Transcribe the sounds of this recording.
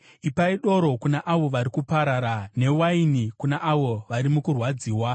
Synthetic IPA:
ipaiɗo̞ɾo̞kunaʔaʋo̞ʋaɾikupaɾaɾane̞wainikunaʔaʋo̞ʋaɾimukurwad͡ziːwa

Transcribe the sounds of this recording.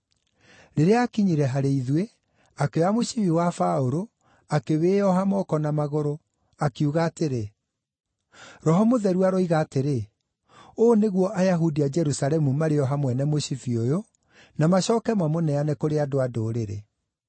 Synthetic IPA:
ɾeɾeakiɲiɾɛɦaɾeiðwe | akeamoɕifiwafaoɾo | akeweːɔɦamɔkɔnamaɣoɾo | akuɣaːteɾe | ɾɔɦɔmoðɛɾuaɾoiɣaːteɾe | oːneɣwɔʔajaɦudiad͡ʒɛɾusaɾɛmumaɾeɔɦamwɛnɛmoɕifiojo | namaɕɔːkɛmwamonɛanɛkoɾeadoadoːɾeɾḛ

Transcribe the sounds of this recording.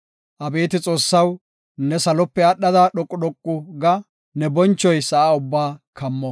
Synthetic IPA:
ʔɐbe̞ːt̪ɪt͡sʼo̞ːsːɐw | nɛsɐlɔpːɛɐɗːɐd̪ɐɗɔkʼːʊd̪ɔkʼːʊɡɐ | nɛbɔnt͡ʃːɔjsɐʔaːʊbːaːkʰɐmːɔ

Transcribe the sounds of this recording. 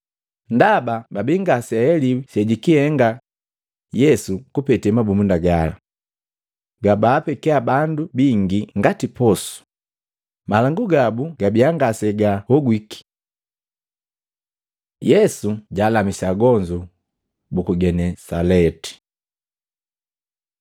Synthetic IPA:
ndabababiŋɡasɛɛlisɛɟikihɛŋɡa | jɛsukupɛtɛmabumundaɡala̰ | ɡabaːpɛkɛabandubiŋɡiŋɡatipɔsu̥ | malaŋɡuɡabuɡabiaŋɡasɛɡahɔɡwiki̥ | jɛsuɟaːlamisaɡɔɲd͡ʒu | bukuɡɛnɛsalɛti̥

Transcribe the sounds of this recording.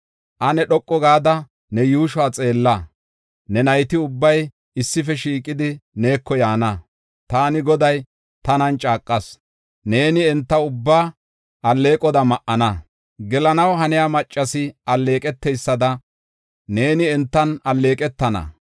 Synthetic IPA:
ʔɐnɛɗɔkʼːɔɡaːd̪ɐ | nɛjuːʃʊaːt͡sʼe̞ːlːɐ | nɛnɐjt̪ɪʊbːɐj | ɪsːɪfɛʃiːkʼːɪd̪ɪne̞ːkʰːɔjaːnɐ | t̪aːnɪɡɔd̪ɐj | t̪ɐnɐnt͡ʃʼaːkʼːɐs | ne̞ːnɪɛnt̪ːɐʊbːaː | ʔɐlːe̞ːkʼɔd̪ɐmɐʔɐnɐ | ɡɛlɐnɐwɦɐnɪjamɐt͡ʃʼːɐsɪɐlːe̞ːkʼɛt̪ːɛjsːɐd̪ɐ | ne̞ːnɪɛnt̪ːɐnɐlːe̞ːkʼɛt̪ːɐnɐ̰

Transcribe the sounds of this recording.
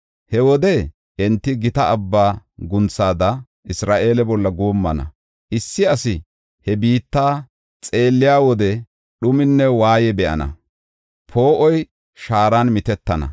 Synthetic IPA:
hɛwɔd̪ɛ | ʔɛnt̪ːɪɡɪt̪ɐɐbːaːɡʊnt͡sːaːd̪ɐ | ɪsɾaːʔe̞ːlɛbɔlːɐɡoːmːɐnɐ̰ | ʔɪsːɪɐsɪ | hɛbiːt̪ːaː | t͡sʼe̞ːlːɪjaːwɔd̪ɛ | ɗʊmɪnːɛwaːjɛbɛʔɐ̰nɐ̰ | pʰo̞ːʔɔj | ʃaːɾanmɪt̪ɛt̪ːɐnɐ̰

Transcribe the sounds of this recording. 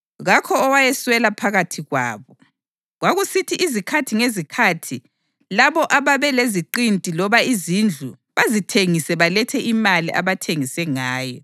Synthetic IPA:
ɣakʰɔːwajɛswɛlapʰaɣatʰiɣwa̰ːβɔ | ɣwaɣusitʰiʔizikʰatʰiŋezikʰatʰi | laβɔʔaβaβɛleziǃintʼilɔβaizind͡ɮʱu | βazitʰeŋisɛβalɛtʰɛʔimaliʔa̰βatʰeŋisɛŋaːjɔ

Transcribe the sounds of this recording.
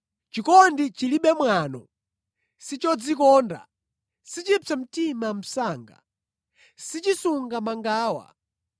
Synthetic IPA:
t͡ʃikɔndit͡ʃiliɓɛmwanɔ̰ | sit͡ʃɔd͡zikɔːnda̰ | sit͡ʃit͡sam̩timam̩saːŋɡa̰ | sit͡ʃisuŋɡamaŋɡaːwa̰

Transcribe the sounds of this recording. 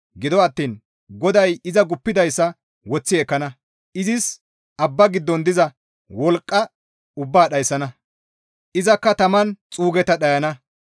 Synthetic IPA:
ɡɪd̪ɔɐt̪ːiːn | ɡɔd̪ɐjɪzɐɡʊpːɪd̪ɐjsːɐ | wɔt͡sːɪɛkːɐnɐ | ʔɪzɪs | ʔɐbːɐɡɪd̪ːɔnd̪ɪzɐ | wɔlkʼːɐ | ʊbːaːɗɐjsːɐnɐ | ʔɪzɐkːɐt̪ɐmɐnt͡sʼuːɡɛt̪ɐɗɐjɐnɐ

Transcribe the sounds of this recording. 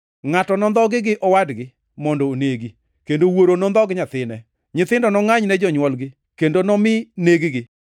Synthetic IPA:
ŋatɔnɔnd̪ɔɡɪɡɪʔɔwadɡɪ | mɔndɔːneɡi | kendowoɾonɔnd̪ɔɡɪɲat̪ɪnɛ | ɲɪt̪ɪndɔnɔŋaɲnɛd͡ʒɔɲwɔlɡɪ | kendonɔmɪneɡiɡɪ

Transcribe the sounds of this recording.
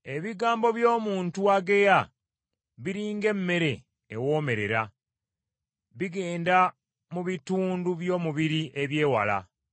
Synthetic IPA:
e̞βiɡaːmbo̞βjo̞ːmuːntuaɡeja | βiɾiːŋɡe̞mːe̞ɾe̞ː | wo̞ːme̞ɾe̞̰ɾa | βiɡe̞ːnda | muβituːnduβjo̞ːmuβiɾiʔeβje̞ːwa̰la̰

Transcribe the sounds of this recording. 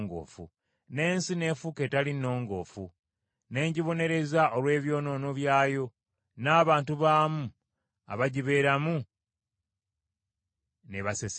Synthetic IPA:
ŋɡo̰ːfṵ | ne̞ːnsine̞ːfuke̞ːtalinːo̞ːŋɡo̞̰ːfu | ne̞ːɲɟiβo̞ne̞ɾe̞zaʔolwe̞ːβjo̞ːno̞ːno̞βjaːjo̞ | naːβaːntuβaːmu | a̰βaɟiβe̞ːɾamu | neβases

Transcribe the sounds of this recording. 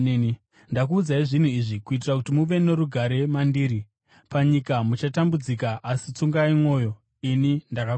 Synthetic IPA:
i | ndakuːd͡zaiʐin̤uiʐikuit̬irakutimuʋe̞ne̞ɾuɡʱaɾe̞mandiːɾi | paɲikamut͡ʃatambud͡zikaʔasit͡suŋɡaimwo̞jo̞ | inindaka

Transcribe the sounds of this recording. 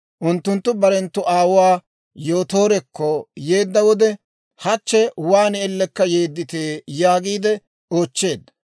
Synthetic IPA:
ʔʊnt̪ːʊnt̪ːʊbɐɾɛnt̪ːʊʔaːwwaː | jo̞ːt̪o̞ːɾɛkːɔjeːd̪ːɐwɔd̪ɛ | hɐt͡ʃːɛwaːnɛɛlːɛkːɐje̞ːd̪ːɪt̪e̞ːjaːɡiːd̪ɛ | oːt͡ʃːe̞ːd̪ːɐ

